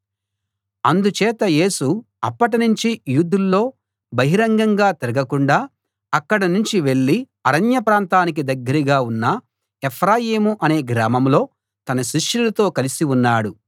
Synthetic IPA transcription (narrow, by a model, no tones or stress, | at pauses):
ɐnd̪ut͡ʃɛːt̪ɐje̞ːsu | ɐpːɐʈinuɲt͡ʃijuːd̪ulːo̞ː | bɐɦiɾɐŋɡɐŋɡaːt̪iɾɐɡɐkuɳɖaː | ɐkːɐɽɐnuɲt͡ʃiʋe̞ɭːi | ɐɾɐnjɐpɾaːnt̪aːnik̬id̪ɐɡːɐɾiɡaːunːɐ | epʰɾaːjeːmuʔɐne̞ːɡɾaːmɐmlo̞ː | t̪ɐnɐʃiʂɐlut̪o̞ːkɐlisiunːaːɽu